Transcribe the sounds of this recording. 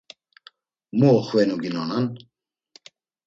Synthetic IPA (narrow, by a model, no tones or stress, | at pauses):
muɔχwɛnuɡinɔnan